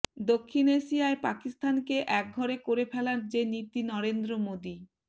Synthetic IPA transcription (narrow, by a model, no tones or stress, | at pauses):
d̪okʰːineʃiaepakist̪ʰankeʔɛk̚ɡʱɔɾekoɾepʰɛlaɾd͡ʑenit̪inɔɾend̪ɾomod̪i